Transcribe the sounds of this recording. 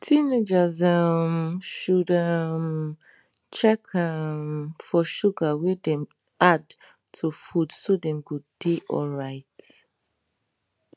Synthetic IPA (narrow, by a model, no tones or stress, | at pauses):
tʰined͡ʒazamʃudam | t͡ʃɛkʰamfɔʃuɡawɛdɛ̃m | ʔad | tʰufudsodɛ̃mkudeʔɔ̰lɹaɪt